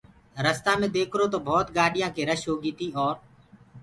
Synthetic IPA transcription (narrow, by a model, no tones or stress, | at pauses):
ɾəst̪aːmẽːd̪eːkʰɾoːt̪oːbʱɔːt̪ɡaːɖɪjãːkeːɾəʃɦoːɡiːt̪iːɔːɾ